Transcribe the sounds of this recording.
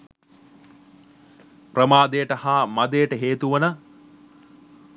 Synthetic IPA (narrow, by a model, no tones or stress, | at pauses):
prəmaːd̪ejəʈəhaːmad̪ejəʈəɦeːt̪uʋɐnə